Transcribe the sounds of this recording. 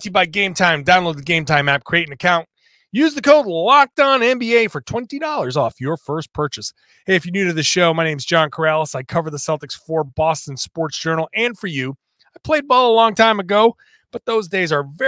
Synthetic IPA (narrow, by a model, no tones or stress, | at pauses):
tɨbaɪɡẽɪ̃mtʰãɪ̃mdãʊ̃nloʊd̪̚ðɨɡẽɪ̃mtʰãɪ̃mæp̚kʰɹ̥ieɪɾɪ̃ŋɨkʰãʊ̃nt | jʉzðɨkʰoʊdˡlɑk̚d̥ãʊ̃nɛ̃mbieɪfə˞tʰw̥ɛ̃ntidɔlˠə˞zɔfjə˞fɜ˞spʰɜ˞t͡ʃɨs | heɪɨfjɨnjʉɾɨðɨʃoʊmaɪñẽɪ̃mzd͡ʒɑ̃nkʰə˞ælˠəsaɪkʰʌvə˞ðəsɛlˠtɨksfə˞bɔstɨ̃n̩spɔɹtsd̥ʒ̥ɜ˞nl̩ˠɨ̃nfə˞jʉ | aɪpʰl̥eɪd̚bolˠəlɔ̃ŋtʰãɪ̃mɨɡoʊ | b̥ʌt̪̚ðoʊzdeɪzə˞vɛ